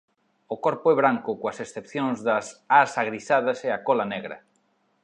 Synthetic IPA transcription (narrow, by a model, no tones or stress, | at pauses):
ʊkɔɾpʊɛβ̞ɾaŋkʊkoɐsesθepθjoŋzðɐsasaɣɾisað̞ɐseakɔlɐnɛɣɾɐ̰